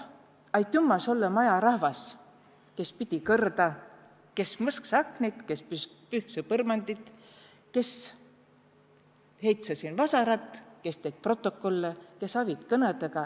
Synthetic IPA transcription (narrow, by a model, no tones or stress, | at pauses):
ɑjt̪jumːɑso̞lːɑmɑjɑɾɑhvɑs | ke̞spit̪ʲikɤrd̪ɑ | ke̞smɤsksɑknit̪ke̞spysk̚pyhsepɤrmɑnd̪it̪ˑ | ke̞s | he̞jt̪sɑsinvɑsɑɾɑt̪ːˑke̞st̪eɡ̥̚pro̞t̪ːˑo̞kːo̞lːeke̞sɑvit̪kɤnet̪eɡɑ